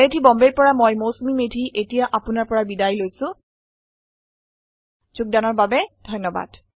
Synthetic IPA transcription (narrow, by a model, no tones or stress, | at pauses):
edʱibɔmbeɹpɔɹamojmosmimedʱiʔetijaʔapʊnaɹpɔɹabidajlojsʊ̃ | z̥uk̚danɔɹbabɛd̥ʱɔjnːɔba̰d̥